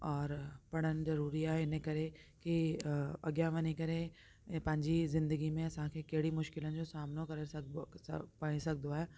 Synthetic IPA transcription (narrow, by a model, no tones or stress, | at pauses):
ɔːɾpɐɽ̤ənzɐɾuːɾiaɦɛɪnɦẽkɐɾekiɐ̰ɡjaʋɐnikɐɾẽ | pɐ̃ɲd͡ʑizɪ̃nd̪əɡimẽɐsãkʰekeːɽimʊʃkɪlənd͡ʒosaːmnokɐɾesɐ | pɐɽ̃isɐk̚d̪oaɦɛː